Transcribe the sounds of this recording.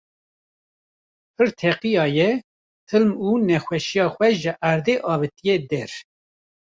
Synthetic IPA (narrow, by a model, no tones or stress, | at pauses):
pʰɨɾt̪ʰɛqijɑːjɛ | t̪ʰɨlmuːnɛxʷɛʃijɑːxʷɛʒɨʔæɾd̪eːʔɑːvɨt̪ijed̪ɛɾ